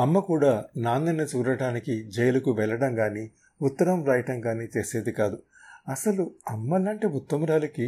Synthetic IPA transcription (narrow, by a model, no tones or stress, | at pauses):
ɐmːɐkuːɽaːnaːnɐnit͡ʃuːɾɐɽaːnikid͡ʒɛjɐlɐkuʋɛɭːɐɽɐŋɡaːni | ut̪ːɐɾɐmɾɐjʈɐŋɡaːniːt͡ʃe̞ːse̞ːd̪ikaːd̪u | ɐsɐluɐmːɐlaːɳʈibut̪ːɐmɾaːlɐki